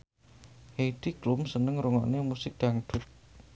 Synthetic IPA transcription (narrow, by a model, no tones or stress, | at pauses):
heid̥iklumsənəŋɾuŋɔʔnemusɪk̚d̪̥aŋd̪̥ʊt̚